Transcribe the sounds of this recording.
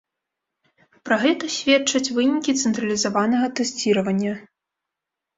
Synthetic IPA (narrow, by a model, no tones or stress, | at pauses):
pɾɐɣɛt̪ɐsʲvʲɛt͡ʂɐt͡sʲvɨnʲikʲit̪sɛnt̪ɾɐlʲizavanɐɣɐt̪ɛsʲt͡sʲiɾɐvɐnʲːɐ